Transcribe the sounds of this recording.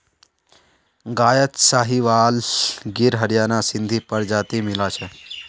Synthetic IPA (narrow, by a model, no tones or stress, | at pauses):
ɡaːjət̪saːɦiʋaːlɡiɾɦəɾjaːnasɪnd̪ʱipəɾd͡ʒaːt̪imilat͡ʃʰe